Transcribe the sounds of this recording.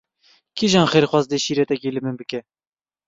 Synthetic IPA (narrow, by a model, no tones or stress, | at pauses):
kʰiʒɑnχeɾχwɑzd̪eʃiɾɛt̪ɛkʲelɘmɨnbɨkɛ